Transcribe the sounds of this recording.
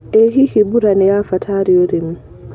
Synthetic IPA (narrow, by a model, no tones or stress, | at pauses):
ɛɦihibuɾanɛjafatʰaːɾiɔɾim